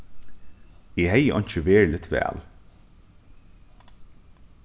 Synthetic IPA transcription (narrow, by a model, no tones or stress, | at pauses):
eːɦɛjəʔɔ̰nɲt͡ʃəʋeːɹlɪt̪ʋæ̰ːl